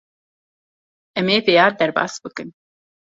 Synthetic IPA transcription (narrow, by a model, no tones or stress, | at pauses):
ʔɛmeːpejɑːɾd̪ɐɾbɑ̰ːsbɨkɨn